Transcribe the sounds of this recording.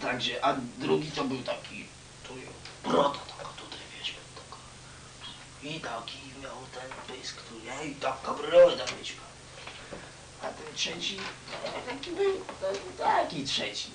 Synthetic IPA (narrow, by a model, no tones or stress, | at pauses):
t̪aɡʐɛʔad̪ɾuɡʲit̪ɔbɘwt̪akʲḭ | t̪ʰɔjpɾɔt̪at̪ḁɡɔ̥t̪ut̪ajvʲjɛɕmɛt̪ɔ̥ɡɔ | it̪akʲimʲjawt̪ɛnpɪjskt̪uɾjait̪amkabɾɨlɔlɛt̪akʲit͡ɕikaw | at̪ɛntʂɛt͡ɕiɛt̪akʲibɘwt̪t̪akʲitʂɛt͡ɕi